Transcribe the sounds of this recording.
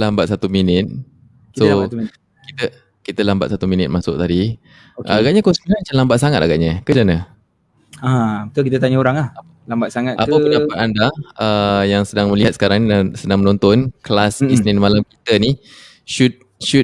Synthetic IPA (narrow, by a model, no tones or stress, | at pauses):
lambat̪̚sat̪uminɪt̪̚ | so | kit̪ə | kit̪əlamba̰t̪sat̪uminɪt̪̚masʊ̰k̚t̪adi | kaɡaʔɲakɔnsiinamat͡ʃamlambat̪̚saŋat̪aɡa̰ʔɲakəd͡ʒanə | ãbət̪uk̬it̪ət̪̬aɲəoɾaŋlah | lambat̪̚saŋatʔa̰əpəndapat̪andaəjaŋsədaŋməliɦat̪sə̥kaɾaŋsədaŋmənɔnt̪ɔnklasisninmalamkit̪əni | ʃut̪̚ | su